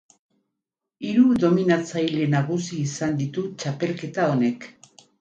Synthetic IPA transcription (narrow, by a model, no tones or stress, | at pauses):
iɾuðo̞minat͡sajle̞naɣusiːsand̪it̪ut͡ʃape̞lke̞t̪ao̞ne̞k